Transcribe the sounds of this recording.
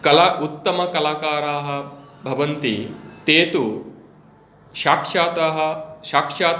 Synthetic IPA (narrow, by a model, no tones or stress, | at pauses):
kɐlaut̪ːɐmɐkɐlaːkaːɾaːɦɐ̆bʱɐʋɐnt̪ḭt̪eːt̪u | ʃaːkʂaːt̪ɐɦɐʃaːkʂaːt̪